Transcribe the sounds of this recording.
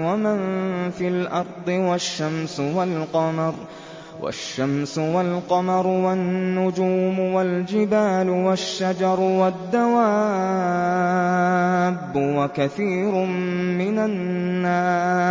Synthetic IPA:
wamanfiːlʔɑɾˤd̪ˤɨwaʃːamsʊwalqɑmɑɾˤ | wa̰ʃːamsʊwalqɑmɑɾˤʊwanːʊd͡ʒuːmʊwald͡ʒɪbaːlʊwaʃːad͡ʒɑɾˤwad̪ːawaː | bːʊwakaθiːɾʊmmɪnanːaː

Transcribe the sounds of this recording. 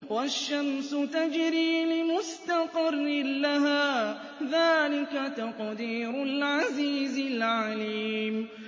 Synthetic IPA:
waʃːamsʊt̪ad͡ʒɾiːlɪmʊst̪aqɑrːɪlaɦaː | ðaːlɪkat̪aqd̪iːɾʊlʕaziːzɪlʕaliːm

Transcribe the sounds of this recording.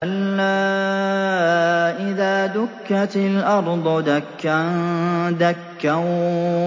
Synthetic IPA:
ʔalːaː | ʔɪðaːd̪ʊkːat̪ɪlʔɑɾˤd̪ˤʊd̪akːa | d̪akːa

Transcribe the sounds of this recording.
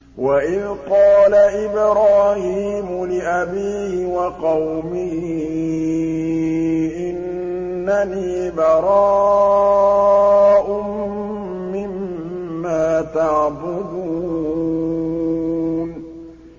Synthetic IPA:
waʔɪðqɑːlaʔɪbɾaːhiːmʊlɪʔabiːhwɑqɑwmɪh | ʔɪnː | aniːbɑɾˤɑː | ʔʊm | mɪmː | aːt̪aʕbʊd̪uː | n

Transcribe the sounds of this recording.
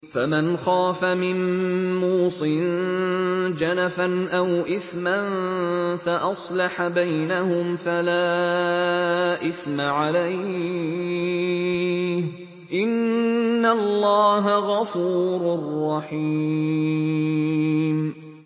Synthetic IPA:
famanxaːfamɪnmuːsˤɨn | d͡ʒanafanʔawʔɪθmanfaʔɑsˤlɑħabajnahʊmfalaː | ʔɪθmaʕalaj | h | ʔɪnː | allːɑːɦaɣɑfuːɾʊrˤːɑħiː | m

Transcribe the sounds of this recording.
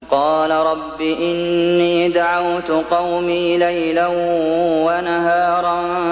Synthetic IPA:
qɑːlaɾˤɑbːiːʔɪnːiːd̪aʕawt̪ʊqɑwmiːlajlanwanaɦɑːɾˤɑn

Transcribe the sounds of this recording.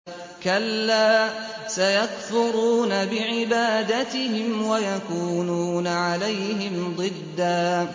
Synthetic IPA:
kalːaː | sajakθʊɾuːnabɪʕɪbaːd̪at̪ɪhɪmwajakuːnuːnaʕalajɦɪmd̪ˤɨd̪ːaː

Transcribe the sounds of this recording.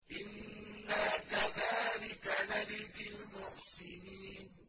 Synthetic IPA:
ʔɪnːakaðaːlɪkanaɾɪðɪlmʊʕsɪniːn

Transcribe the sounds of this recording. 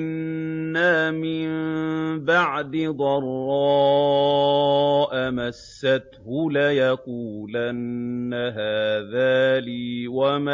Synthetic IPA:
nːaːmɪmbaʕd̪ɪd̪ˤɑrˤːɑː | ʔamasːat̪hʊlajaquːlanːaɦaːðaːliːwama

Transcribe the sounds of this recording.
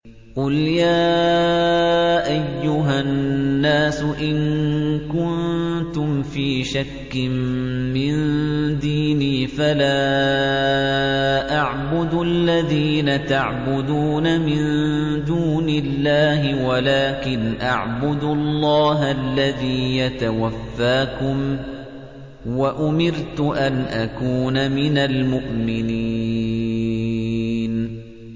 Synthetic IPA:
qʊljaː | ʔajːʊɦanːaːsʊʔɪnkʊnnt̪ʊmfiːʃakːɪmmɪnd̪iːniːfalaː | ʔaʕbʊd̪ʊʔalːaðiːnat̪aʕbʊd̪uːnamɪnd̪uːnɪlːaːɦɪwalaːkɪnʔa̰ʕbʊd̪ʊlˤːɑːɦalːaðiːjat̪awafːaːkʊm | waʔʊmɪɾt̪ʊʔanʔakuːnamɪnalmʊʔmɪni | n

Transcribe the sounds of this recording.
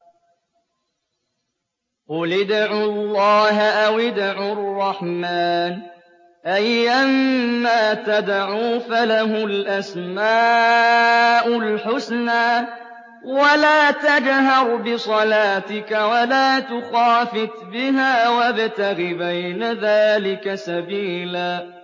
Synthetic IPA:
qʊlɪd̪ʕuːlːɑːɦaʔawɪd̪ʕʊrˤːɑħmaːn | ʔajʔamːaːt̪ad̪ʕuːfalaɦʊlʔasmaː | ʔʊlħʊsnaː | walaːt̪ad͡ʒɦɑɾˤbɪsˤɑlaːt̪ɪkawalaːt̪ʊxaːfɪt̪bɪɦaːwabt̪aɣɪbajnaðaːlɪkasabiːlaː

